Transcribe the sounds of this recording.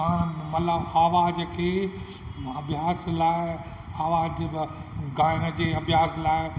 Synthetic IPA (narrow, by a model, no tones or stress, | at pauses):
ãːñmɐləbaːʋaːd͡ʒkʰeː | ɐbʱɪjaːslaːɪ | aːʋaːd͡ʑ | ɡãːjɪnəd͡ʑeːɐbʱjaːslaːɪ